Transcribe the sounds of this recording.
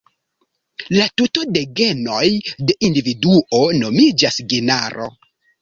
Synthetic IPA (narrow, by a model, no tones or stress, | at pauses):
latutode̞ɡe̞no̞jde̞ʔindividuʔo̞no̞mid͡ʒasɡenaɾo̞̰